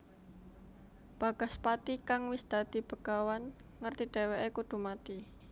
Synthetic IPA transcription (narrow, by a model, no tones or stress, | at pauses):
b̥aɡ̥aspat̪ikaŋwisd̪̥a̤d̪̥i̤b̥ə̤kawan | ŋərt̪id̪̥eweʔekud̪̥ṳmat̪i